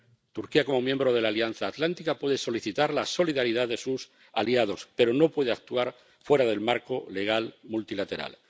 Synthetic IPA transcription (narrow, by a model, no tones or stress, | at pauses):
t̪uɾkiako̞mo̞mjẽmbɾo̞ð̞e̞laːljan̟θaːt̪lant̪ikapwe̞ð̞e̞so̞liθit̪aɾlaso̞liðaɾiðaðe̞sus | aliað̞o̞spe̞ɾo̞no̞pwe̞ð̞eak̚t̪uaɾ | fwe̞ɾaðe̞lmaɾko̞le̞ɣ̞almult̪ilat̪e̞ɾa̰l